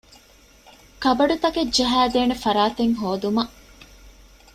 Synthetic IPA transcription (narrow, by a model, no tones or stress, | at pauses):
kɐbɐɖut̪ɐked͡ʒɐɦæːd̪eːnefɐɾaːt̪eŋɦoːd̪umɐʔ